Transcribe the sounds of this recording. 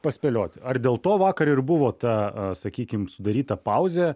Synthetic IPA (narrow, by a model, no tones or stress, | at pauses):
pɐsʲpʲɛlʲoːt̪ʲɐrd̪ʲeːlˠt̪oːʋɑːkɐɾɪrbʊʋoːt̪ɐsɐkʲiːkʲɪmsʊd̪ɐɾʲiːt̪ɐpɐʊzʲe